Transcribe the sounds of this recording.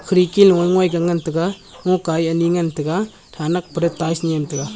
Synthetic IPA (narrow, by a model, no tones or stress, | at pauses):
kʰɾikilŋɔjŋwajɡaŋantɯɡa | ŋɔkajɐniŋantɯɡa | tʰanak̚pɾetajsniemtʰɯɡa